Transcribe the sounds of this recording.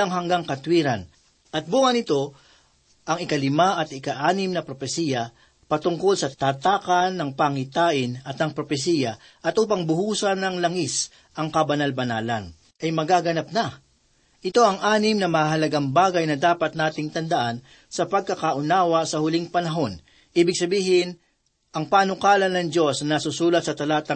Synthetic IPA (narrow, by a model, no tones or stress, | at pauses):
ɐŋɦɐŋɡaŋkɐt̪wiːɾɐn | ʔɐt̪̚buːŋɐnɪt̪o̞ | ʔɐŋɪkɐlɪmaʔɐt̪ɪkaʔaːnɪmnɐpɾopɛsiːjɐ | pɐt̪ʊŋko̞lsɐt̪aːt̪aːkɐnːɐŋpaŋɪt̪aːʔɪnɐt̪nɐŋpɾopɛsiːjɐ | ʔɐt̪ʔuːpɐŋbʊhuːsɐnɐŋlɐŋis | ʔɐŋkɐbɐnalbɐnaːlɐ̰n | ʔɐjmɐɡaɡɐnap̚nɐ | ʔɪt̪o̞ʔɐŋʔaːnɪmnɐmɐaɦɐlɐɡaŋbaːɡɐjnɐd̪aːpɐt̪̚naːt̪ɪŋt̪ɐnd̪ɐʔan | sɐpɐɡ̚kɐkaʔʊnaːwɐsɐhʊliŋpɐnɐɦo̞n | ʔiːbɪɡ̚sɐbiːɦɪn | ʔɐŋpaːnʊkaːlɐnːɐŋd͡ʒo̞snɐnɐsusuːlɐt̪̚sɐt̪ɐlaːt̪ɐ